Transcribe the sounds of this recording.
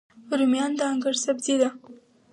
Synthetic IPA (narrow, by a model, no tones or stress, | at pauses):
ɾumjɑnd̪əaŋɡaɾsabzid̪a